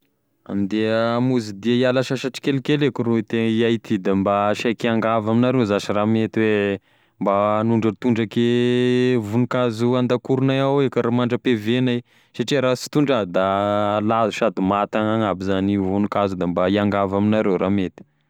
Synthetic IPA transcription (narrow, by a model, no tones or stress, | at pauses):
a̰mid̪eəmuzid̪iaialaʃaʃaʈ͡ʂi̥kelikelekuɾuit̪eŋiajt̪id̪ambaʃakiaŋɡavaminaɾezaʃiramet̪iwe | mbaːnuɳɖ͡ʐət̪uɳɖ͡ʐake | vunukazuand̪akuɾunajawekaɾamaɳɖ͡ʐəpevenai | saʈ͡ʂiɾasi̥t̪uɳɖ͡ʐad̪alazuʃad̪umat̪aŋaŋabizanivunukazud̪ambaiaŋɡavaminaɾewɾamet̪i̥